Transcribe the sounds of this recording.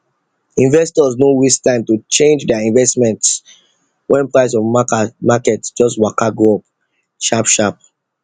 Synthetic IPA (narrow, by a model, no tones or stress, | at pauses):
ĩnvɛstɔznowistãɪ̃mtut͡ʃẽnd͡ʒdɛaĩnvɛstmɛ̃nts | wʔɛ̃npɹaɪs̬ɔvmakɛtd͡ʒɔstwakaɡɔp | ʃapʃap̚